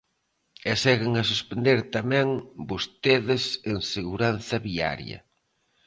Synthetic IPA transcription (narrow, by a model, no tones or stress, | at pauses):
ɛsɛɣeŋɐsuspend̪eɾt̪amɛ̃ŋbost̪eðɪseŋseɣuɾan̟θɐβia̰ɾj̰ɐ̰